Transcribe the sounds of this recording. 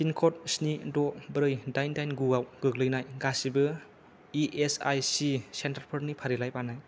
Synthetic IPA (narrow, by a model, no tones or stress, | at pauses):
sinkʰɔt̚snidɔbɾɯjdajndajnɡuawɡ̥ɯɡlɯjnajɡasibɯ | iʔesa̰jsisentaɾpʰɯɾnipʰaɾilajpanaj